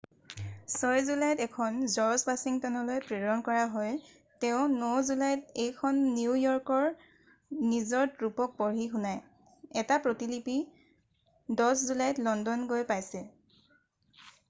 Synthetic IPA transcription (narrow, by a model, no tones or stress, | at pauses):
sɔjzulajtɛkʰɔnzɔɹsbasiŋtɔnɔlojpɹɛdɔnkɔɹaɦɔj | tɛʊ̃nozulajtejkʰɔnːiujɔɹkɔɹ | nizɔɹtɹupɔk̚pɔɹixunaj | ɛtapɹotilipi | dɔszulajtlɔndɔnɡojpajsɛ